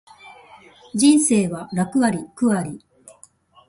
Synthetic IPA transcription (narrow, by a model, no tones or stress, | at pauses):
d͡ʑĩɰ̃se̞ːβaɾakɯ̟aɾʲikɯ̟aɾʲi